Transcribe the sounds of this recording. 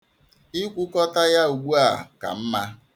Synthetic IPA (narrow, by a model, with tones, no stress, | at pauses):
ɪ˦kʷu˦kɔ˦ta˦ja˦u˨ɡʷu˦a˨ka̰˨m̩˦ma˦